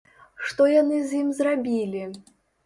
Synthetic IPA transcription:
ʂt̪ɔjanɨzʲjimzrabʲilʲi

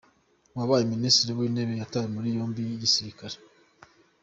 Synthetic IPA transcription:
waβaːjeministiɾiwiːne̞βejatajemuɾijoːmbijisiɾikaɾe̥

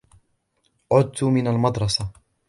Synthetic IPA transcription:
ʕʊd̪̚t̪ʊmɪnalmɑd̪ɾˤɑsa

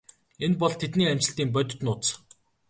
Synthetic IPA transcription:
enpɔɮt̪ʰet̪niːæm̥t͡ɕɪ̆ɬt̪iːmpœt̪ʲɪ̆t̪nʊːt̪s

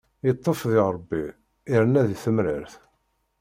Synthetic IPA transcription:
jət̪ˤːofðiʁɾˤəbːi | iɾənːæðiθəmɾəɾθ

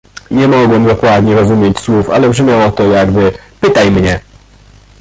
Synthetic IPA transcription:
ɲɛmɔɡwɛmd̪ɔkwad̪ɲɛɾɔzumʲjet͡ɕswufa̰lɛbʐɘmʲjawɔt̪ɔjaɡbɘpɘt̪ajmɲɛ

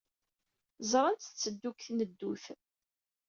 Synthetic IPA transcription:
zˤɾˤənt̪t͡sːəd̪ːukθnəd̪ːuθ

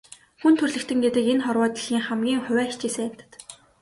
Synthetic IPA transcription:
xunt̪ʰɵrɮɘ̆kt̪ʰɘ̆ŋɡet̪ɘ̆kenχɔrwɔːt̪ɞ̆ɮiːŋχamɡʲiːŋχʊwæːt͡ɕiːsɘ̆ŋam̥t̪ə̥̆t̪

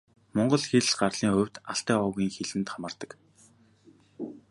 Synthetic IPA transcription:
mɔɴɢɞ̆ɮxeɮɢarɮ̥iːŋχʊwʲt̪aɬt̪æːɔːɣiːŋxeɮɘ̆nt̪χamə̆rt̪ə̥̆k

